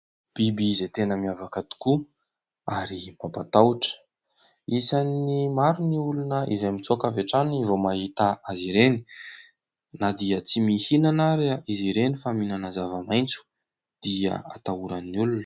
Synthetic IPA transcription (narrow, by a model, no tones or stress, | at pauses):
b̥ibiizet̪enəmiavakad̪i̥ku | aɾimapat̪awʈ͡ʂə̥ | isanimaɾuniulunəʔḭzajmit͡suakaveʈ͡ʂanivomaɦit̪aaziɾeni̥ | nad̪iət͡simihinanaɾiaʔiziɾenifaminanazavamajnt͡su̥ | d̪̥ia̰a̰t̪auɾanːiulunə̥